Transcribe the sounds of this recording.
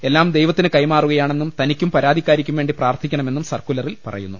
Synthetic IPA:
e̞lːaːmd̪ejʋɐt̪ːinɨkɐjmaːruɣɐjaːɳe̞nːumt̪ɐnikʲːumpɐɾaːd̪ʱikʲːaːɾikʲːumʋe̞ːɳɖipraːrt̪ʰikʲːɐɳɐme̞nːumsɐrkulɐrilpɐ̰rɐ̰jṵnːu

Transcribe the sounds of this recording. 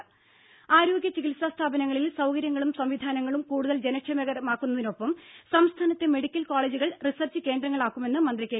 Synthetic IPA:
aːɾo̞ːɡjɐt͡ɕiɣilsast̪ʰaːbɐnɐŋːɐɭilsɐwkɐɾjɐŋːɐɭumsɐmʋid̪ʱaːnɐŋːɐɭumkuːɽuðɐld͡ʑe̞nɐkʂʰɐmɐɣɐɾɐmaːkːunːɐðino̞pːɐmsɐmst̪ʰaːnɐt̪ːe̞me̞ɽikʲːɐlkoːɭeːd͡ʑuɣɐɭrisɐrt͡ɕːɨke̞ːnd̪ɾɐŋːɐɭaːkːume̞nːɨmɐnd̪rikʲːe

